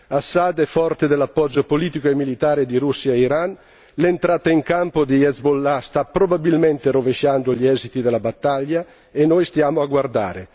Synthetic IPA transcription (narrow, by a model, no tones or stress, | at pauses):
asːad̪ɛfɔrt̪ed̪elapːɔd͡ʒopoliːt̪ikoemːilit̪aːɾed̪iɾusːjaiɾan | lent̪ɾaːt̪aiŋkampod̪ijɛzbolːast̪apɾobabilment̪eɾoveʃand̪oʎɛzit̪id̪elabat̪ːaʎːa | enojst̪jaːmoaɡward̪a̰ːɾe